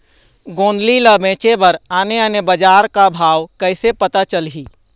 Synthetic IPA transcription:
ɡõːnd̪liləbẽːt͡ʃebəɾaːneənebəd͡ʒaːɾkabʱaːʋkəɪsepət̪at͡ʃəlɦiː

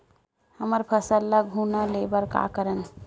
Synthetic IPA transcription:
həməɾpʰəsəlːəɡɦunəlebəɾka̰kəɾən

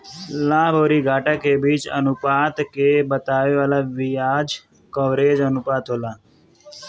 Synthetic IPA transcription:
lãːboːɾiːɡʱaːʈakebiːt͡ʃə̰nʊpaːt̪kebət̪aːʋeːʋaːlaːʋijaːd͡ʒ | kəʋɾeːd͡ʒənʊpaːt̪ɦoːlaː

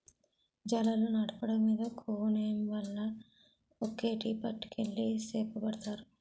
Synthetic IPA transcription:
d͡ʒɐlɐlunaʈɐpɐɽɐmːiːd̪ɐkʰoːneːɐmʋɐlːɐ | okːeːʈiːpɐʈːi̥kelːiseːpɐbɐɽt̪aːɾu

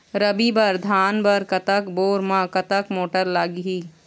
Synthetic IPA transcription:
ɾəbibɐɾd̪ʱaːnbɐɾkɐt̪əkboːɾmãːkɐt̪əkmoːʈəɾlaːɡiɦiː

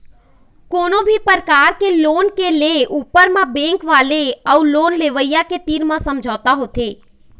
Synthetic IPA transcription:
koːnobʱipəɾkaːɾkelonkeleʔupəɾmãbɛ̃ŋkʋaleəuloːnleʋəjjaket̪iɾmãsəmd͡ʒʱat̪aɦot̪ʰe

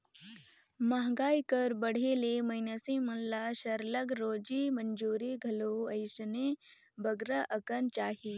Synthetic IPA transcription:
maɦɡaːikəɾbəɽ̤elemɐɪnəsĩmɐnlaʃəɾləɡɾoːd͡ʒimənd͡ʒuːɾiɡʱɐloɐɪsne | bɐɡɾəʔəkənt͡ʃaːɦi

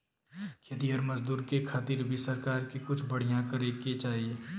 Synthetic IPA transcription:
kɐd̪iəɾmɐzd̪uːɾkekʰaːt̪iːɾbʱisɐɾkaːɾkikʊt͡ʃʰbɐɽ̤ijãkɐɾeket͡ʃaːɦieː

